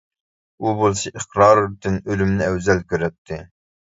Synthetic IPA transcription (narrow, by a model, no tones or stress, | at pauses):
ubolˠsɨʔeχɾɑːɾt̪ʰɪnølymnɪɛwzɛlkʲʰøɾɛt̪ʰːɪ